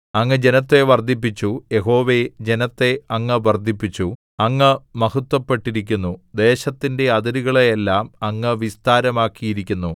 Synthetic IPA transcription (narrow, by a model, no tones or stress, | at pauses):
ɐŋːɐd͡ʑe̞nɐt̪ːe̞ʋɐrd̪ʱip̬ːit͡ɕːuje̞ɦo̞ːʋe̞d͡ʑe̞nɐt̪ːe̞ɐŋːɐʋɐrd̪ʱipːit͡ɕːu | ɐŋːɐmɐhɐt̪ːwɐpːe̞ʈːiɾikʲːunːud̪e̞ːɕɐt̪ːinde̞ɐd̪ɐɾiɣɐɭeelːaːmɐŋːɐʋist̪aːɾɐmaːkːijiɾikʲːunːu